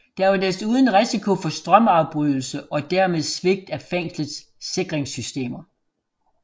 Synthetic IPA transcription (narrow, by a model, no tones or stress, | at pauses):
d̥æɐʋɑdæɐsuːð̞ˠn̩ʁisikʰo̝fɒ̽sd̥ʁɶmɑ̈ʊb̥ʁyðˠl̩səʔɒ̽d̥æɐmeð̞ˠsʋe̝ɡ̥̚d̥æfeŋ̰sləð̩ˠsː | e̝ɡ̥ʁeŋsysd̥e̝̰ːmɐ